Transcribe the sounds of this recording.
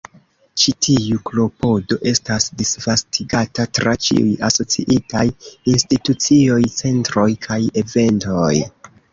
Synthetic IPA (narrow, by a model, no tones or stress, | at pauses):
t͡ʃitʰiuklo̞po̞do̞ʔe̞stasdisvastʰiɡatatɾat͡ʃḭṵjaso̞t͡siʔitajinstitut͡sio̞jt͡se̞ntɾo̞jkʰaje̞ve̞nto̞j